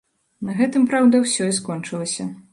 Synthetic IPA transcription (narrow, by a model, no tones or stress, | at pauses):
nɐɣɛt̪ɨmpɾawd̪ɐwsʲɔiskɔnt͡ʂɨlˠɐsʲɐ